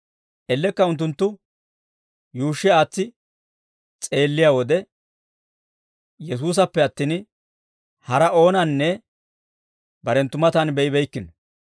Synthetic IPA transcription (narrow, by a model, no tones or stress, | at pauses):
ʔɛlːɛkːɐʊnt̪̬ːʊnt̪ːʊ | juːʃːɛaːt͡sːɪ | t͡sʼe̞ːlːɪjaːwɔd̪ɛ | jɛs̬uːs̬ɐpːɛɐt̪ːiːn | hɐɾɐo̞ːnɐnːɛ | bɐɾɛnt̪ːʊmɐt̪ɐnbɛɪbɛjkːɪn